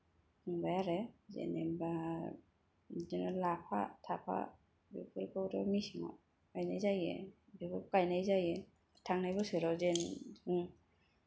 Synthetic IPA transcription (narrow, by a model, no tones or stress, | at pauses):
ɯŋbajaɾezḛnemba | zenɔlapʰa̰tʰapʰa̰ | bikɯlkɯwɾɔmisiŋɔ̰ | kajnajzajḛ | bikɯkajnajzaje | tʰaŋnajbɔsɯɾɔzenɯŋ